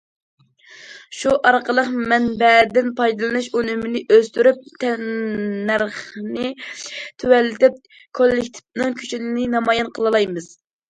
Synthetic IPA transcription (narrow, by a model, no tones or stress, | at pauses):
ʃuʔɑɾqəlˠəqmɛnbɛd̪ɪnpʰɑjd̪ɨlˠɨnɨʃonymɪnɪʔøzt̪yɾyp̚t̪ʰɛ | æɾχnɪt̪ʰøwɛlːɪt̪ɪp̚ | kʰolːɪkʲt̪ʰɪ̥pnɨŋkʲʰy̥t͡ʃʰinɪnɪnɑmɑjɛnqʰəlˠɨlˠɑjmɨz̥